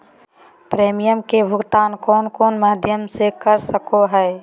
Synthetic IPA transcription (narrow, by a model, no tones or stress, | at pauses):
pɾeːmijəmkebʱʊɡt̪aːnkɔːnkɔːnmaːd̪ʱjəmsekəɾsəkoɦɛː